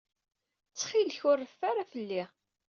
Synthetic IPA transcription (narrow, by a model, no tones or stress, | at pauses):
t͡sːχilçʊrˤːəfːaɾafəlːi